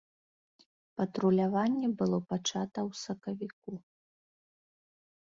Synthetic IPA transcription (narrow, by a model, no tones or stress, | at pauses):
pɐt̪ɾulʲavanʲːɛbɨlˠɔpat͡ʂat̪ɐwsɐkɐvʲik̚u